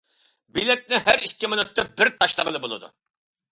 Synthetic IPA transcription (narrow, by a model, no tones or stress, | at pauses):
bilɛk̪̚nɪɦæɾikʲːimɨnut̪ːɑbɪɾt̪ʰɑʃlˠəʁəlˠɨbolˠɨ̰d̪ṵ